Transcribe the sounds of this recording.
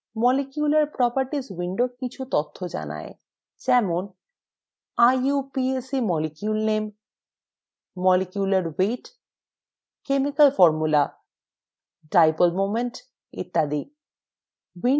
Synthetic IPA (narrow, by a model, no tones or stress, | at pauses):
mɔlekjulaɾpɾɔpaɾʈiswiɳɖokit͡ɕʰut̪ot̪ʰːod͡ʑa̰na̰e | d͡ʑɛmon | ajupiesimɔlikjulnem | ɔlikjulaɾweʈ | kemikalfɔɾmula | ɖɾajpolmomeɳʈ | ḭt̪ːad̪i | wi